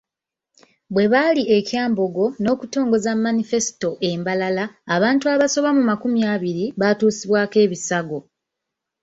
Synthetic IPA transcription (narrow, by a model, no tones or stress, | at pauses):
βwe̞βaliʔe̞cjaːmbo̞ɡo̞no̞ːkuto̞ːŋɡo̞zamːanife̞si̥to̞ʔe̞ːmbalalaːβaːntuaβaso̞βamumakumjaβiɾiβatuːsiβwaːke̞ːβisaɡo̞